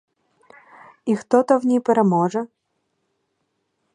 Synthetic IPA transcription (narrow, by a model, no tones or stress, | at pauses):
ixt̪ɔt̪ɔwnʲijpɛɾɛmɔʐɛ